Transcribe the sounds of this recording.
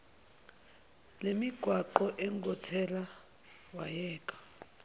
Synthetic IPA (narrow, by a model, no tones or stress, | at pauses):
lemiɡ̥ʱwaǃɔʔɛŋɡʱɔtʰɛla | wajɛːkʼḁ